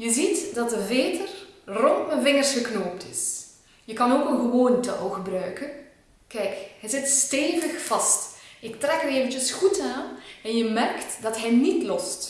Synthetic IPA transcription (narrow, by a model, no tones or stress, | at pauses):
jəzitdɑt̚əveːtərrɔntməvɪŋərsxəknoːp̚tɪs | jəkɑnoːkənɣəʋoːntəʔoɣəbrœɥkən | kɛjkhɛjzɪtsteːvəxfɑstɪk̚trɛkəreːvənt͡ʃəsxutaːnɛnjəmɛrktdɑtɦɛnitlɔst